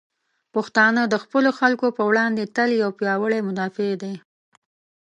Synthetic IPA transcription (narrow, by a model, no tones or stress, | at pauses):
pəxt̪ɑnəd̪əxpəloxalkopəwɽɑnd̪et̪əljawpjɑwəɭemʊd̪ɑfed̪e